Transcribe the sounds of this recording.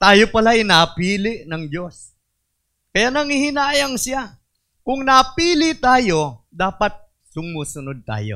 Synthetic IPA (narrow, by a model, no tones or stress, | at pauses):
t̪aːjo̞pɐlajnapiːlɪʔnɐŋd͡ʒo̞s | kɐjanɐŋihɪnaːjɐŋsɪja | kʊŋnɐpiːlɪt̪aːjo̞d̪aːpɐt̪̚ | sʊmuːsʊnod̪̚t̪a̰ːjo̞̰